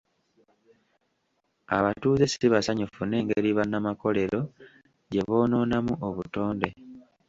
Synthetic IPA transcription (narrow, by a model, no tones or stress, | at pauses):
a̰βatuːze̞siiβasaɲufune̞ːŋɡeɾiβanːamako̞le̞ɾo̞ | ɟe̞βo̞ːno̞ːnamuʔoβuto̞ːnde̞